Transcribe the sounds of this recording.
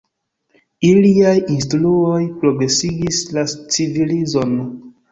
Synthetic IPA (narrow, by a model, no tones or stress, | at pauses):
iliajinstluo̞jpɾo̞ɡɾe̞siɡislat͡sivilizo̞n